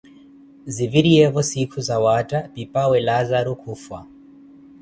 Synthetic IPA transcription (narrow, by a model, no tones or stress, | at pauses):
ziviɾiɛvɔsikʰuzawatʼapipʼawɛlazaɾukʰufwa